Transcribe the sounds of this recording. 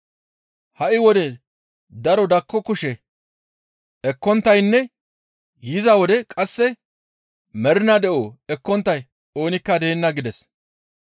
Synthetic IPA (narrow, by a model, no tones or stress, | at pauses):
hɐʔɪwɔd̪ɛ | d̪ɐɾɔd̪ɐkːɔkʊʃɛ | ɛkːɔnt̪ːɐjnːɛ | jɪzɐwɔd̪ɛkʼɐsːɛ | mɛɾɪnɐd̪ɛʔoːɛkːɔnt̪ːɐj | o̞ːnɪkːɐd̪eːnːɐɡɪd̪ɛs